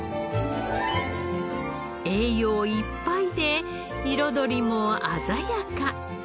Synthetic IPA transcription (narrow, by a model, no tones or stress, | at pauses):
eːjoːipːaid̪e̞ | iɾo̞d̪o̞ɾʲimo̞azajaka